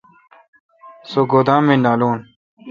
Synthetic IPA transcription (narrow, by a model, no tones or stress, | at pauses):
soɡod̪ãːmĩnaːluːn